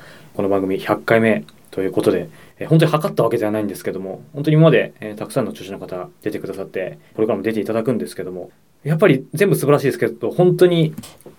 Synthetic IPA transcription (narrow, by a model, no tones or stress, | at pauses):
konobãŋɡɯ̟mʲiçakːaime̞ | t̪o̞jɯ̟ːko̞t̪o̞d̪e̞ːhõnt̪̬o̟ihakat̪ːaβ̞aked̪e̞anaĩnd̪esɨ̥ke̞d̪o̞mo̞hõnt̪o̞ɲ̟imamad̪e̞ːt̪akɯ̟sãnːo̞t͡ɕɨːɕinokat̪ad̪e̞t̪e̞kɯ̟d̪asat̪ːe̞poɾoɡ̟ɾamod̪e̞t̪e̞it̪ad̪akɯ̟̃nd̪e̞sɨ̥ke̞d̪o̞mo̞ | japːaɾʲizẽ̞mbɯsɨbaɾaɕiːd̪esɨ̥ked̪o̞hõnt̪o̞ɲ̟i